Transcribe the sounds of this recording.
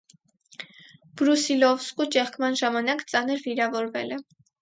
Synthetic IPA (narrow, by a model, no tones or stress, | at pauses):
b̥ɾusilɔvskut͡ʃɛχkʰmɑnʒɑmɑnɑkt͡sɑnəɾviɾɑvɔɾvɛlɛ